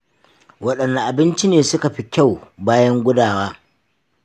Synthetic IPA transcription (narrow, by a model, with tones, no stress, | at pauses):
wɐ˦ɗɐ˨nːa˨ʔa˨bɪ˦nt͡ʃi˦neː˨sʊ˦ka˨ɸi˦kʲa˦˨wbaː˦jɐ˦ŋɡʷʊ˦daː˨waː˦